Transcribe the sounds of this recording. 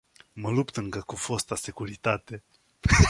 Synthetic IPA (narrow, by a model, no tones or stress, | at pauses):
məlupt̪ɨŋkəkufost̪ase̞kuɾit̪at̪e̞